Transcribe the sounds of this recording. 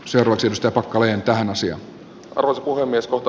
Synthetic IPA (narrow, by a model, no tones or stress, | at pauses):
seurɑːʋɑksieɾust̪æjɑpɑkːɑleːnt̪æhænɑsiɑ̰n | ʔɑ̰rʋosepuhemːieskoht̪ɑ